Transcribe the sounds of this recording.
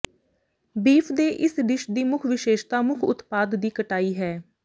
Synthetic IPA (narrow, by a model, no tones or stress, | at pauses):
biːpʰd̪eːʔɪsɖ̪ɪʃd̪iːmʊkʰʋɪʃeːʃt̪aːmʊkʰʊ̰t̪paːd̪ːiːkəʈaːiːɦɛː